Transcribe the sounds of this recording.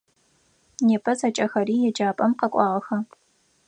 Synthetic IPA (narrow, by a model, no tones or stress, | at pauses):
neːpʰɐzɐt͡ʃʼɐxɐɾiːjɛd͡ʒaːpʼɐmqɐkʷʼɑːʁɐxɐ